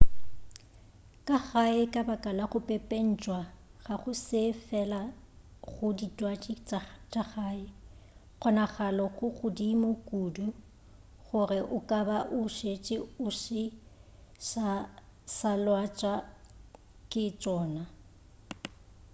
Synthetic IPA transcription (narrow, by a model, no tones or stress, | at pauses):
kʼaɣaɪkʼabakʼalaχʊpʼepʼen̩t͡ʃʼwaɣaχʊsɪfɛla | ɣʊditʼwat͡ʃʼɪt͡ʃʼaχaːɪ | ɣɔnaχalɔɣʊɣʊdimʊkʼuːdu | ɣʊrɪʔʊkʼabaʔʊʃet͡ʃʼɪʊʃɪ | ʃasalwat͡ʃʼa | kʼɪt͡ʃʼɔːna